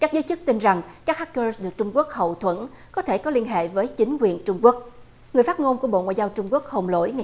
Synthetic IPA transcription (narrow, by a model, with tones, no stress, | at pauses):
kaː˦˥k̚zəː˨˦jt͡ɕɨ˦˥k̚t̪i˧nza˨˩ŋkaː˦˥k̚haː˦˥k̚t͡ɕəː˧sɗɨ˨˩ək̚t͡ɕʊ˧ŋ͡mku˦˥ək̚hə̰˨˩wt̪ʰwə̰˧˥˩n | kɔ˨˦t̪ʰe˧˩kɔ˨˦li˧ənɦḛ˧˨vəː˨˦jt͡ɕï˨˦ŋ̟kwi˨˩ənt͡ɕʊ˧ŋ͡mku˦˥ək̚ | ŋɨ˨˩əjfaː˦˥t̚ŋo˧nku˧˩əɓo̰˧˨ŋa̰ː˧˨jzaː˧wt͡ɕʊ˧ŋ͡mku˦˥ək̚hə˨˩ŋ͡mlo̰˧˥jŋ˨˩˨